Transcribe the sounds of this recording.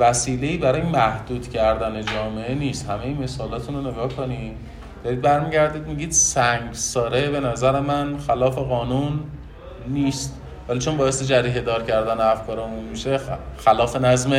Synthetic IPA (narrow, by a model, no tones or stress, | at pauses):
væsiːle̞iːbæɾɒːjemæhd̪̥uːd̪̥cʰæɾd̪æne̞d͡ʒɒːme̞ʔeniːst̪hæme̞jime̞sɒːlɒːt̪ʰunone̞ɡɒːhkʰonid̪ | d̪̥ɒɾiːd̪̚bæɾmiɟæɾd̪iːd̪miɟiːd̪sæŋɡsɒːɾe̞be̞næzæɾe̞mænxælɒːfe̞ɣɒːnunː | iːst̪ | væliːt͡ʃʰo̞nbɒːesed͡ʒæɾiːɦe̞d̪ɒːɾcʰæɾd̪æneæfkʰɒːɾeomuːmːiʃexælɒːfe̞næzme